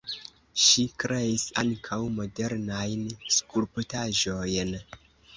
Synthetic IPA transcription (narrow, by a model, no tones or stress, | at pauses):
ʃikɾeisaŋkʰawmo̞de̞ɾnajnskuɾputaʒo̞jn